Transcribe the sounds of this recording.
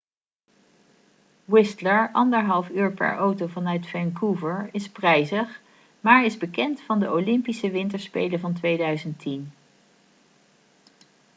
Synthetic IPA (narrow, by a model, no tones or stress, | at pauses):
wɪstləɹʔɑndəɹɦɑlˠfyːɹpɛ̰ɹʔowtowvɑnœɥtfɛnkuvəɹɪsprɛjzəχ | maːɹɪzbəkɛntfɑndəowlɪmpisəʋɪntəɹspejləvɑntʋejdœɥzəntin